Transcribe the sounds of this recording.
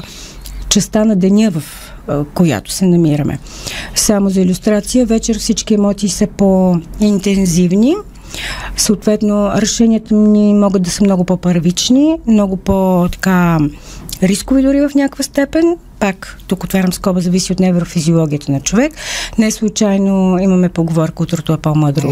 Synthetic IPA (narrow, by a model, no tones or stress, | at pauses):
t͡ʃɛst̪anɐd̪ɛnʲəvəf | koja̰t̪ʊ̥sɛnɐmiɾəmʔɛ̰ | samozɐilʲust̪ɾat̪sijəvɛt͡ʃɛɾfsit͡ʃkiɛmɔt̪iːsəpoint̪ɛnzivni | səot̪vɛt̪noɾɛʃɛnʲiət̪əmnimɔɡəd̪̚d̪ɐsəmnɔɡʊpɔpɐɾvit͡ʃnimnɔɡʊpot̪ɐ̥ka | ɾiskʊvid̪ʊɾivɐfnʲakvəst̪ɛpɛn | pakt̪ukot̪vaɾʲɐmskɔbəzɐvisiot̪nɛvɾxofiziolˠɔɡʲiət̪ənɐt͡ʃovɛknɛslˠut͡ʃajnoimɐmɛpoɡovɔɾkəot̪ɾot̪oɛpɔməd̪ɾo